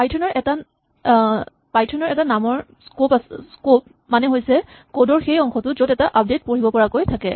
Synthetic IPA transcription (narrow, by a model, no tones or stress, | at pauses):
pajtʰɔnɔɹʔɛta | pajtʰɔnɔɹɛtanamɔɹskopasskop | manɛɦojsɛ | kodɔɹxejɔŋkʰɔtʊzodɛtaʔap̚det̚poɹibɔpɔɹakojtʰakɛ